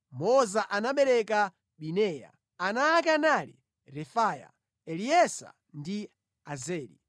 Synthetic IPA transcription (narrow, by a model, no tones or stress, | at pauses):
mɔzaʔanaɓɛɾɛka | ɓinɛːja̰ | anaːk̬analḭ | ɾɛfaːja̰ | ɛliɛsa̰ | ndi | azɛːlḭ